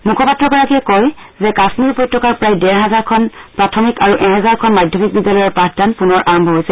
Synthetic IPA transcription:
mukʰɔpatːɹɔɡɔɹakiɛkɔj | zɛkasmiɹupɔjtʰːɔkaɹpɹajdɛɹɦɛzaɹkʰɔnpɹatʰɔmikaɹuʔɛ̃ɦɛzaɹkʰɔnmadʱjɔmik̚bidjalɔjɔɹpɹatdanpunɔɹʔaɹɔmbʱɔɦojsɛ

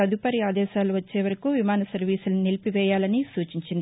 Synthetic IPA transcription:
ɐd̪upɐɾiaːd̪ɛːʃaːluʋɐt͡ʃːeːʋɐɾɐkuʋimaːnɐsɐɾʋiːsulnilpiʋɛːjaːlɐnisuːt͡ʃiɲt͡ʃind̪i

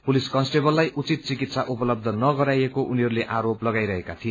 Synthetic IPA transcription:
puliskʌnsʈebʌlːajʔut͡sit̪̚t͡sikit̪saʔupʌlʌb̚d̪ʱʌnʌɡʌɾajekoʔuniɦʌɾuleʔaɾoplʌɡajɾʌɦekat̪ʰie

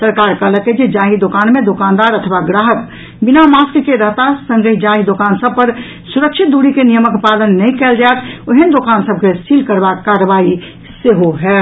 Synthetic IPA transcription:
səɾkaɾkələked͡ʒed͡ʒaɦid̪okanmed̪okand̪aɾət̪ʰʋaɡɾaɦək | binamaskkeɾəɦt̪asə̃ŋɡəid͡ʒaɦid̪okansəb̚pəɾ | suɾəkt͡ʃʰit̪̚d̪uɽikenijəməkpalənːɛjkɛld͡ʒaet̪ʰoɦənd̪okansəb̚ʱkessilkəɾbakːaɾəbai | seɦoɦɛt̪

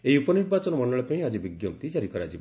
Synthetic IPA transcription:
eiupɔniɾbat͡ʃɔnɔmɔɳɖɔɭɔpaĩad͡ʒibiɡjɔmt̪id͡ʒaɾikɔɾead͡ʒi

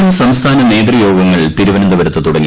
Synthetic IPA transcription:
msɐmst̪ʰaːnɐne̞ːd̪rɐjo̞ːɡɐŋːɐɭt̪iɾuʋɐnɐnd̪ɐʋɐɾɐt̪ːɨt̪uɽɐŋːi

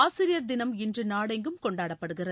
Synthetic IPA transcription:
aːsɪɾɪjɐɾd̪ɪnɐmɪndrɯnaːɽɐɪŋɡɯmkɔɳɖaːɽɐpːɐɽɯɣɪrɐ

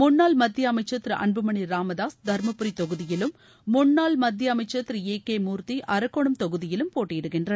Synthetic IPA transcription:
mʊnːaːlmɐd̪jɐɐmɐɪt͡ʃːɐt̪ːɾɯʔɐ̰ɳbɯmɐɳiɾaːmɐðaːsd̪ʱɐɾmɐpːɯɾit̪ɔɣɯðɪjɪlɯmː | ʊnːaːlmɐd̪jɐɐmɐɪt͡ʃːɐt̪ɾɯeːkeːmuːɾt̪iʔɐɾɐkːɔɳɯmt̪ɔɣɯðɪjɪlɯmpoːʈːɪjɪɽɯkːɪndrɐnɐ

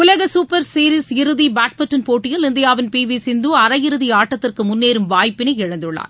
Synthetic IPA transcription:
ʊlɐɣɐsuːpɐɾsiːɾisɪɾɯðibaːʈ̚mɐʈːɐnpoːʈːɪjɐlɪnd̪ɐjaːʋɪnpiːʋisɪnd̪uɐɾɐjɪɾɯðiaːʈːɐt̪ːɪrkɯmʊnːeːɾɯmʋaːjpːɪnɐɪɪɻɐnd̪ɯɭːa̰ːn

